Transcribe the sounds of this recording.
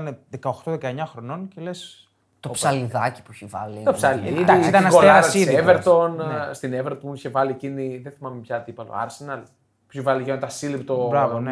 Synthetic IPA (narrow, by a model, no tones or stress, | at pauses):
ɐneðekɐoxt̪oðekɐeɲɐxɾo̞no̞ncele̞s | t̪opsɐliðɐci̥puçivɐ̰lit̪opsɐliiit̪ɐnɡolɐɾɐssieveɾt̪o̞nst̪ineveɾt̪oniçevɐlieciniðenθimɐmepçɐt̪ipɐlo̰ɐ̰ɾsenɐl | pu̥çivɐliʝɐmet̪ɐsilipt̪obɾɐvone